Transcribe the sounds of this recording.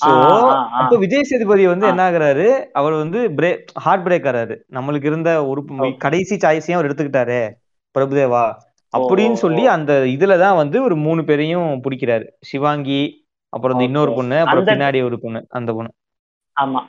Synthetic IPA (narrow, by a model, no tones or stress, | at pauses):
soɐpːoːʋɪd͡ʒeːsɐðɪpɐðɪjɐʋɐnd̪ɯɛnːɐaːɣɪɾaːɾɯɐʋɐɭʋɐnd̪ɯbɪɾeːhaːɾʈ̚bɾeːkːɐɾaːɾɯnɐmːɐɭɯk̬ːɪɾɯnd̪ɐɔɾɯkɐɽɐɪsit͡ʃaːjsɐjãɐɾɛɽɯt̪ːɯkːɪʈːaːɾe | pɪɾɐbɯðeːʋaː | ʔɐpːɐɽɪjnːɯsɔlːiɐnd̪ɐɪðɯlɐt̪ãːʋɐnd̪ɯɔɾɯmuːɳɯpeːɾɐjʊ̃pʊɽɪkʲːɪɾaːɾɯʂɪʋaːŋɡi | ʔɐ̰pːɯɾɐnd̪ɐɪnːoːɾɯpɔɳːɯɐpɯɾɐ̃pɪnːaːɽijɔɾɯpɔɳːɯɐ̰nd̪ɐpɔɳːɯ | aːma